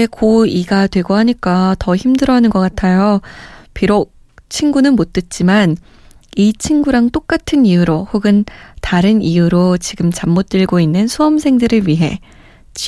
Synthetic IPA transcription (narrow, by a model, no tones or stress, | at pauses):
ekoiɡadwe̞ɡohaɲik͈atʌçimdɯɾʌnɯnɡʌk͈atʰajopiɾok̚ | t͡ɕʰinɡunɯnmot͈ɯt̚t͡ɕ͈iman | it͡ɕʰinɡuɾaŋt͈ok͈̚atʰɯnijuɾohoɡɯntaɾɯnijuɾot͡ɕiɡɯmt͡ɕamːot̚t͈ɯɭɡoinːɯnsʰuʌmsʰe̞ŋdɯɾɯɭɥiɦe̞̰ | t͡ɕ